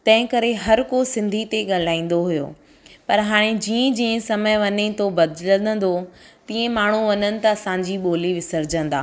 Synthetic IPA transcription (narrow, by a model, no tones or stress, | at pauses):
t̪ɐ̃ɦɪ̃kɐɾeɦɐɾkosɪ̃nd̪ʱit̪eɠɐl̤aːĩːn̆d̪oɦujo̰ː | pɐɾɦaːɽ̃ed͡ʑiːə̃d͡ʑiːə̃sɐməjʋɐɲet̪obɐd̪lənə̃nd̪ot̪ĩːẽmaːɳ̤uʋɐɲənɪ̆t̪ɐɐsãɲd͡ʑiɓoːliʋɪsəɾd͡ʑə̃nd̪a̰ː